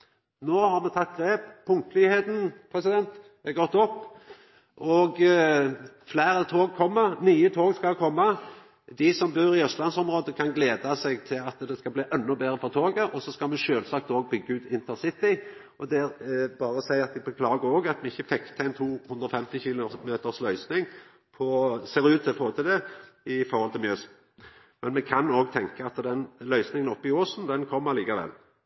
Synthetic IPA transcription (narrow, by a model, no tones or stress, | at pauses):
noːhɑʁmɛt̪ʰɑt̪̚ːɡɾeːppʰːʊŋt̪lɪheːt̪n̩pʰʁɛsɪd̪ɛnt̪ | ɛɡɔt̪ːɔpː | ɔɡ | flæɪɾət̪ʰoːɡ̚kʰɔmːənyːət̪ʰoːɡskɑlkʰɔmːɑ | d̪ɪsɔmbøːɾɪœst̪lɑnsɔmʁoːd̪əkʰɑnɡleːd̪ɑsɛɡt̪ʰɪlɑt̪d̪ɛskɑbliːʔɛnːɔbeːʁəfɔʁt̪ʰoːɡəʔɔsɔskɑlmɛʃøːlsɑːk̚t̪oːɡ̚bʏɡːəʉːt̪ɪnt̪ʰəʁsɪt̪ɪ | ɔd̪ɛæɾbɑːɾəɔsæɪɑt̪̚d̪ɪbəkʰlɑːɡəoːɡɑt̪mɛɪçːəfɛkt̪ʰəæɪnt̪ʰuːhʉnd̪ɾɔfɛmt̪ɪçiːlʊmeːt̪əʁslœʏsnɪŋ | pʰɔseːɾʉːt̪ːɪlfoːt̪ʰɪld̪ɛɪfɔɾhɔlt̪ʰɪlmjœːs | mɛnmɛkʰɑnoːɡt̪ʰɛŋkəɑt̪d̪ɛnlœʏsnɪŋənɔpːɪoːsn̩d̪ɛnkʰɔmːəɑliːkɑʋɛ̰l